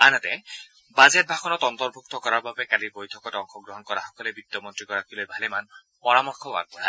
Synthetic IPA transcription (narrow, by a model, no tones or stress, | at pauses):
anat̪ɛ | bazet̚bʱaxɔnɔtɔnt̪ɔɾbʱuk̚t̪ɔkɔɾaɹbabekalibojtʰɔkɔtɔŋxʰɔɡɹɔɦɔnkɔɹaxɔ̥kɔlebit̪ːɔmɔntɹikɔɾakʰilojbʱaleman | pɔɹamɔɹkʰɔba̰ɡ̚pɔɾa